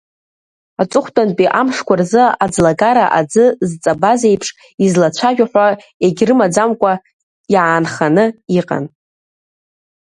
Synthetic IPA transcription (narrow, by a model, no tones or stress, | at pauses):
at͡sʼʊχʷtʼanpʼiʔamʂkʷʰarzɨad͡zlaɡaɾa̰ʔad͡zɨzt͡sʼabazejpʰʂ | izlat͡ɕʷʰaʒᶣaħʷᶣa | eɡʲrɨmad͡zamkʷʼa | jaːnχanɨiqʼa̰n